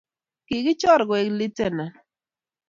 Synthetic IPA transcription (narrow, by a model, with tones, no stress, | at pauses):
ki˨kɪ˦t͡ʃɔ˦ɾɡe˨kli˦te˦˨na˨